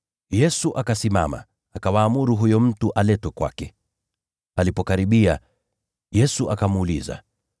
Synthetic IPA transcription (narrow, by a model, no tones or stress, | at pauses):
jɛsuʔakasima̰ma̰ː | kawaːmuɾuɦujɔm̩tuʔalɛtwɛkwa̰kɛ | alipɔkaɾiɓia | jɛsuʔakamuːlḭza̰